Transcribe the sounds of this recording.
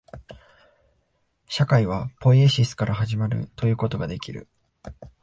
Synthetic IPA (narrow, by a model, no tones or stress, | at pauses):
ɕakaiβ̞apo̞ieɕisɨ̥kaɾʔaɦaʑimaɾɯ̰t̪o̞jɯ̟ːkot̪o̞ɡad̪e̞kʲiɾɯ̟̰